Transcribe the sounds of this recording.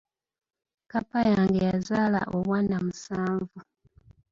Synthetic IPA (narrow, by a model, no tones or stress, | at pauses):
kapajaːŋɡejazaːla̰ʔoβwaːnamusaːɱvu